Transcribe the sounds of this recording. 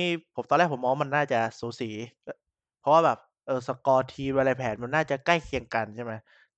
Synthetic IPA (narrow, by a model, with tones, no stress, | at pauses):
iː˦˥pʰo˩˦mt̪ɔː˧lɛː˥˩kpʰo˩˦mɔː˧˥ma˧nːaː˥˩t͡ɕa˨˩suː˨˩˦siː˩˦˧ | pʰɔ˦˥waː˥˩bɛː˨˩p̚ | ʔɤː˧˩sa˧kɔː˧t̪ʰiː˧ma˧la˧pʰɛː˩˦nma˧nːaː˥˩t͡ɕa˨˩ka˥˩jkʰi˧əŋka˧nt͡ɕʰa˥˩ma˦˥j